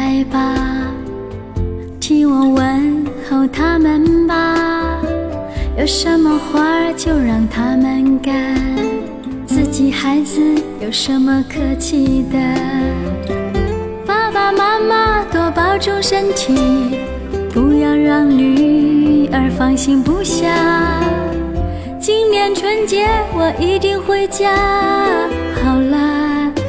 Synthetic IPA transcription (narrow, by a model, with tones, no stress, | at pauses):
ɪba˧ | t̪ʰi˥ŋwɔ˨˩wə˧˥nxo˨˩ʊt̪ʰa˥mə˨nba˧ | jo˨˩ʊʂə˧˥nmə˧xwa˥t͡ɕjo˥˧ʊɻɑ˥˧ŋt̪ʰa˥mə˨nka˥˩n | t͡sɹ̩˥˩t͡ɕi˨˩xa˧˥ɪd͡zɹ̩˧jo˨˩ʊʂə˧˥nmə˧kʰɤ˥t͡ɕʰi˥˧˩d̪ə˩ | pa˥pa˨˩ma˥ma˧t̪wɔ˨˩pɑ˥ʊʈ͡ʂʊ˥ŋʂə˥nt̪ʰi˨˩ | pu˧˥jɑ˥˧ʊɻɑ˥˧˩ŋly˨˩ | ə˧˥fɑ˥˧ŋɕi˥ŋpu˧˥ɕjɑ˥˩ | t͡ɕi˥ŋnjɛ˧˥nʈ͡ʂʰwə˧˥nt͡ɕjɛ˧˥wɔ˨˩ʔi˧˥t̪i˥˧ŋxwe˧˥ɪt͡ɕjɑ˥ | xɑ˨˩ʊlə˧